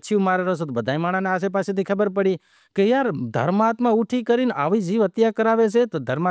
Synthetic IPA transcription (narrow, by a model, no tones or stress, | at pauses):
t͡ʃʰiũmaɾaɾəɦsot̪obəd̪ʱajmaɽ̃aneas̬ep̬aset̪ʰikʰəbəɾpəɽi | kejaɾd̪ʱə̰ɾmːt̪mãuʈʰikəɾina̰ʋid͡ʒiʋət̪jakəɾaʋet͡ʃʰet̪od̪ʱəɾma